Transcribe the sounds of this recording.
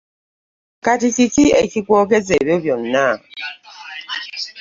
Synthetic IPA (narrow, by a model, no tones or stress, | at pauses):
katitikiekikwɔk̬ezebɔbjɔnːa